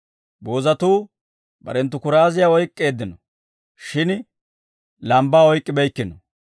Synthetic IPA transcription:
boːzɐt̪uː | bɐ̰ɾɛnt̪ːʊkʊɾaːzɪjaɔjkʼːe̞ːd̪ːɪnɔ | ʃɪn | lɐmbaːɔjkʼːɪbɛjkːɪnɔ

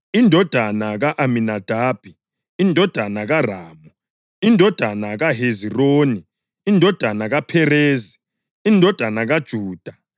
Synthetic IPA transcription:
indʱɔd̥ʱanaɣaʔaminad̥ʱaːb̥ʱi | indʱɔd̥ʱanaɣaraːmu | indʱɔd̥ʱanaɣaɦeziroːni | indʱɔd̥ʱanaɣapʰɛreːzi | indʱɔd̥ʱanaɣad̥ʒ̥ʱuːd̥ʱa

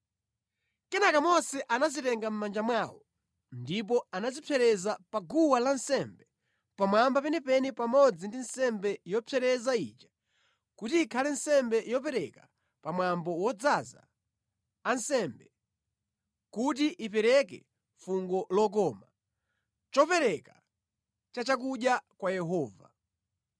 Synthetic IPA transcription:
kɛnakamɔsɛʔanazitɛŋɡam̩mand͡ʒamwawɔ | ndip̬ɔanazipʰɛɾɛzapaɡuwalansɛmbɛ | pamwambapɛnɛpɛnipamɔd͡zindinsɛmbɛjɔpʰɛɾɛzaḭːt͡ʃḁ | kutiːkʰalɛnsɛmbɛjɔpɛɾɛka | pamwambɔwɔd͡zaza̰ː | nsɛmbɛ | kut̬iʔipɛɾɛkɛ̰ | fuŋɡɔlɔk̬ɔːma | t͡ʃɔpɛɾɛka | t͡ʃat͡ʃak̬uɗjakwajɛɦɔːva̰

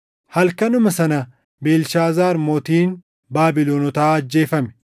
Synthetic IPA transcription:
hɐlkɐnʊmɐsɐnɐ | beːlʃaːzaːɾmoːt̪iːn | baːbɪloːnɔt̪aːɐd͡ʒːe̞ːfɐmɛ̥

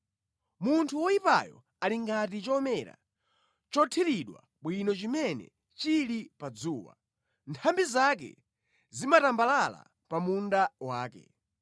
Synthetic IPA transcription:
muntʰuwɔipa̰jɔ̰ | aliŋɡat̬it͡ʃɔmɛɾa̰ | t͡ʃɔtʰiliɗwa̰ | ɓwinɔt͡ʃimɛnɛ̰ | t͡ʃilipad͡zuːwa̰ | ntʰambizakɛ̰ | zimatambalala̰ | pamundawaːkɛ̰

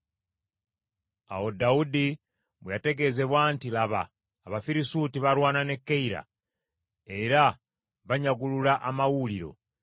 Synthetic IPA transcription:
a̰wo̞daudi | βejate̞ɡe̞ze̞βwaːntilaβa̰ː | βafiɾisuːtiβaɾwaːnane̞kːeiɾa̰ | e̞ɾa | βaɲaɡululaʔamawuliɾo̞̰

